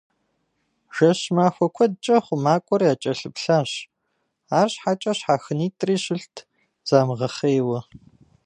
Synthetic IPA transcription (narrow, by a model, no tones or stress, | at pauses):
ʒ̥ɐɕmaːxʷɔkʷʰɔdt͡ʃʼɐχʷʊmaːkʷʼɔraːt͡ʃʼɐɬɨpɬaːɕ | aːrɕħat͡ʃʼɐɕħaːxɨniːtʼriːɕɪɬtʰ | z̥aːmʁɐχeːjwɐ